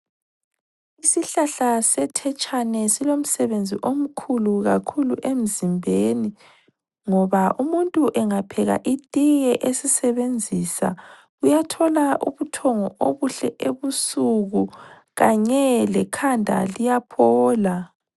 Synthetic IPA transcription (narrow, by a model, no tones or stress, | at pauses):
isiɬaɬasɛtʰɛt͡ʃʼanɛsilom̩sɛβend͡zʱiʔom̩kʰuluɣakʰuluʔem̩zimbʱeːni | ŋɔβaʔumuntʼuʔɛŋapʰɛɣa̰ʔitʼiɣɛʔesisɛβend͡zʱisa̰ | ɣujatʰɔlaʔṵβutʰɔŋɔoβuɬɛʔeβusuɣu | ɣaɲɛlɛkʰandʱa̰lijapʰɔːla